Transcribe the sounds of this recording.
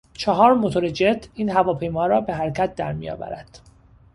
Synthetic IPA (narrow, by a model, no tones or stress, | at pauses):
t͡ʃʰɒɦɒːɾmot̪ʰoɾed͡ʒed̪iːnɦævɒːpʰe̞jmɒːɾɒːbe̞ɦæɾcʰæt̪̚d̪æ̰ɾmḭjɒ̰ːvæ̰ɾæd̪̥